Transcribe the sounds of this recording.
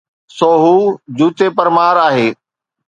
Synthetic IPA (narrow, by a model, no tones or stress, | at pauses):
soːɦuːd͡ʑuːt̪epɐɾmaːɾaːɦeː